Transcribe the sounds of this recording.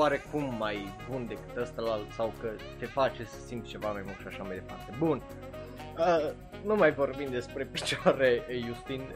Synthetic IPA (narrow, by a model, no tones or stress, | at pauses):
waɾe̞kumːajbund̪e̞kɨ̥t̪əst̪əlalsawkə | t̪e̞fat͡ʃe̞sə̥simt̪̚t͡ʃe̞vamajmulkʃiaʃamajd̪e̞part̪ebun | ə | numajvo̞rbimd̪e̞spɾe̞pi̥t͡ʃaɾejust̪in